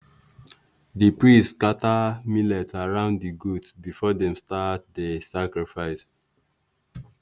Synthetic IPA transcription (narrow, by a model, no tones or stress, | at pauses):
dipɹistskatamilɛtaɹãʊ̃ndiɡutsbifɔdɛ̃mstat̚desakɹifaɪs